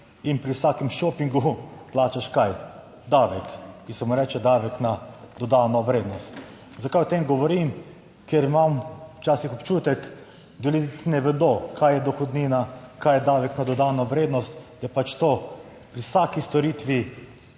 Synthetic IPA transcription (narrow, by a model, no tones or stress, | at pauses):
inpɾiwsaːkɛmʃoːpiŋɡuplaːt͡ʃaʃkaj | d̪aːʋɛkːisɛmuɾɛːt͡ʃɛd̪aːʋɛknad̪̥ɔd̪aːnɔʋɾeːd̪nɔst̪ | zakajwɔt̪emɡɔʋɔɾim | keɾimamwt͡ʃaːsixɔpt͡ʃuːt̪ɛk | d̪ɛlid̪it̪inɛʋɛd̪okʰajɛd̪ɔxɔd̪niːnakajɛd̪aːʋɛknad̪ɔd̪aːnɔʋɾeːd̪nɔst̪d̪jɛpat͡ʃt̪oː | pɾiwsaːkist̪ɔɾiːt̪ʋi